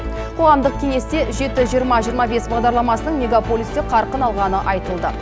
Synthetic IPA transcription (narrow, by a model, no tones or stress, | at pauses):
qʰo̞ʁɑmd̪əq̚kʲʰe̞ŋe̞st̪e̞ʒe̞t̪ɪʒijəɾmɑʒijəɾmɑbe̞sbɑʁd̪ɑɾlˠɑmɑsənəɴmʲe̞ɡapolʲist̪e̞qʰɑɾqənɑlˠʁɑnəʔɑjt̪əlˠd̪ə